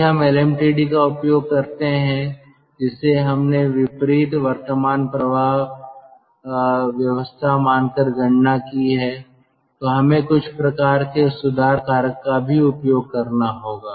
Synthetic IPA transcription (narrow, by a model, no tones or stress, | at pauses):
ɦɐmɛlɛːmʈiːɖikaʊpjoːɡ̚kɐɾt̪eɦɛ̃ | d͡ʒɪseɦɐmneʋɪpɾiːt̪ʋɐɾt̪əmaːnpɾɐbʱaːɦ | ʋjɐʋəst̪ʰamaːnkəɾɡʱɐ̃ɳ̤nakiɦɛ | t̪oɦɐmẽkʊt͡ʃʰpɾɐkaːɾkesʊd̪ʱaːɾkaːɾəkːabʱiʊpjoːɡ̚kɐɾnaɦoːɡaː